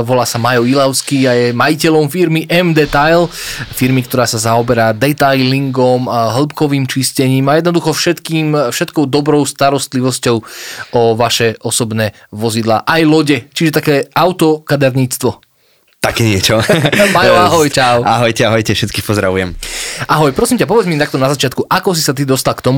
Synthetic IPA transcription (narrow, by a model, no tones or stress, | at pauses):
ʋɔlaːsamajɔilaʊskiajɛmajicɛlɔmfiɾmiʔɛmd̪ɛt̪ajlfiɾmikt̪ɔɾaːsazaɔbɛɾaːd̪ɛt̪ajliŋɡɔmɦl̩pkɔʋiːmt͡ʃiscɛɲiːmajɛd̪̚nɔd̪uxɔfʃɛt̪kiːmfʃɛt̪kɔʊd̪ɔbɾɔʊst̪aɾɔst̪liʋɔscɔʊɔʋaʃɛʔɔsɔbnɛː | ʋɔzid̪la̰ːʔajlɔɟɛt͡ʃiʒɛt̪akɛːʔaʊt̪ɔkad̪aɾɲiːt͡st̪ʋɔ | t̪akɛːɲɪɛt͡ʃɔpaɔaɦɔjt͡ʃaʊa̰ɦɔjcɛaɦɔjcɛfʃɛt̪kiːxpɔzɾaʋujɛmʔaɦɔjpɾɔsiːmcap̬ɔʋɛd͡zmit̪akt̪ɔnazat͡ʃɪat̪kuʔakɔs̬isat̪̬id̪ɔst̪alkt̪ɔmu